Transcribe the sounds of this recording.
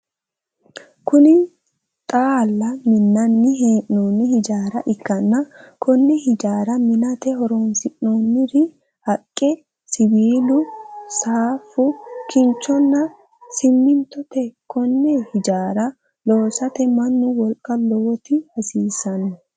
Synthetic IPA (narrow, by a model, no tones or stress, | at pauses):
kʊnɪ | t̪ʼaːlːɐmɪnːɐnːɪɦeːʔnoːnːɪhɪd͡ʒaːɾɐʔɪkːɐnːɐkʰɔnːɛhɪd͡ʒaːɾɐmɪnɐt̪ɛɦɔɾoːnsɪʔnoːnːɪɾɪ | hɐkʼːɛ | sɪbiːlʊsaːfʊkɪnt͡ʃːɔnːɐ | sɪmːɪnt̪ɔt̪ɛkɔnːɛhɪd͡ʒaːɾɐ | lo̞ːsɐt̪ɛmɐnːʊwɔlkʼːɐloːt̪ɪhɐsiːsɐnːɔ